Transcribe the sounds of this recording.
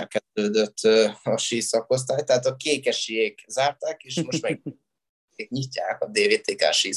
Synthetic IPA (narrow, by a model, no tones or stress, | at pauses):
ɛlkɛd̪øːd̪øt̪ʰːɒʃiːsɒko̞s̬t̪aːjt̪ɛɦaːt̪ɒkeːkɛʃijeːkzaːrt̪aːkeːʃmo̞ʃt̪mɛɡ | eːk̚ɲicːaːkɒd̪eːveːt̪eːka̰ːʃiː